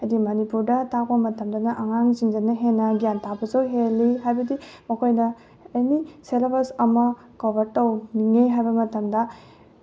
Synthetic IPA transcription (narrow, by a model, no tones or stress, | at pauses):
ɐjdimonipuɾdɐtak̚pɐmɐtɐmdɐnɐʔɐŋaŋziŋd͡ʒɐnɐɦenːɐɡijantʰapɐsɐwɦelːiɦajbɐdimɐkʰojnɐː | jniselbɐɾsɐmɐ | kobɐɾtɐwniŋeɦajbɐmɐtɐmdɐ